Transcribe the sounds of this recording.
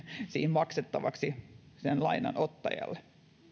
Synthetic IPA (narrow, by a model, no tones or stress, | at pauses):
sḭːmmɑkset̪ːɑʋɑksi | senlɑinɑ̰not̪ːɑjɑ̰lːe